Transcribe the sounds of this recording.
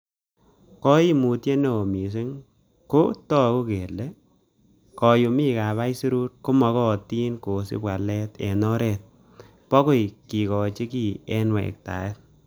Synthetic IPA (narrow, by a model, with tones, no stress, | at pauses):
kɔ˦i˦mu˨tje˦ne˨o˨mi˨s̬ɪ˦ŋ | ko˦tɔ˦ku˦ke˨le˦ | kɔ˨ju˨mi˦ka˨βa˦jsi˦ɾu˦ɾko˦mɔ˧kɔ˦˨ti˦nko˨sɪ̰˦pa˨lɛ˦tɛ̰˨nɔ˦ɾɛ˨t̚ | pɔ˦ko˦jki˨kɔ˨t͡ʃi˦ki˨ɛ˦nwɛ̰˨k̚ta̰˨e˦t̚